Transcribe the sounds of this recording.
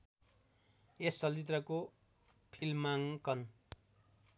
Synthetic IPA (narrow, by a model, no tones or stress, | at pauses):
esːʌlt̪it̪rʌko | pʰilmaŋkʌn